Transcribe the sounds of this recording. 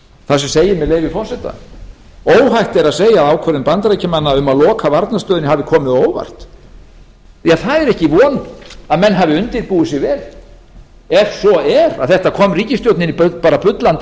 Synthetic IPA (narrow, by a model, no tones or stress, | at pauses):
θasɛmseːjɪmɛðleːjvɪfɔr̥sɛt̪a̰ | oːwɦajht̪ɛɾaðseːjaaːwkʰɛɾɪnpant̪ɾajcamanːaʏmaðlɔːkʰavaɾt̪nast̪œːðʏnɪhavɪkʰɔːmɪðoːwva̰r̥t̪ | θiaðθaðɛɾɛhcɪvɔːnʏaðmɛnːɦavɪʏnt̪ɪɾpuːɪsɪɣvɛːl | ɛɾ̥sɔɛɾaðθɛht̪akʰɔːmriːcɪst̪jowt̪nɪnippaːɾapʏt̪lant̪